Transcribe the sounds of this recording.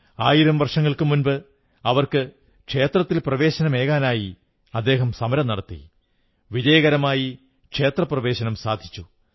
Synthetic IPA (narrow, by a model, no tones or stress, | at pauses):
aːjiɾɐmʋɐrʂɐŋːɐɭkɨmunbɨ | ɐʋɐrkɨ | kʂe̞ːt̪rɐt̪ːilprɐʋe̞ːɕɐnɐmeːɣaːnaːji | ɐd̪ːe̞ːɦɐmsɐmɐɾɐmnːɐɽɐt̪ːḭ | ʋid͡ʑɐjɐɣɐɾɐmaːji | kʂe̞ːt̪rɐprɐʋe̞ːɕɐnɐmsa̰ːd̪ʱi̥t͡ɕːu